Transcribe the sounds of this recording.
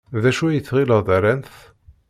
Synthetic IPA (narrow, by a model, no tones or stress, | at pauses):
ðæʃuæjət͡sːʁiləðˤæɾænθ